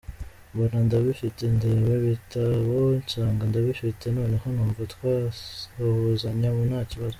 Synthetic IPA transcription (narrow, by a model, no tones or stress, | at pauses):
bonandaβifitendeβeβitʰaβoɲt͡ʃaːŋɡandaβifitenoːnehonuːɱvatkwaohozaɲaβonhaːciβazo